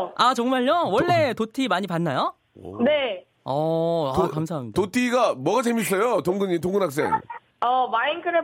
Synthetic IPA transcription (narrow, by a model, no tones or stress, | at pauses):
at͡ɕʌŋmaʎjowʌɭːe̞totʰimaɲipanːajo | ne̞ | ʌakams̬ʰaɦamɲidaotʰiɡamwʌɡat͡ɕe̞mis͈ʌjotoŋɡɯɲit̬oŋɡɯnɦak̚s̬͈e̞̰ŋ | ʌmaiŋkʰɯɾe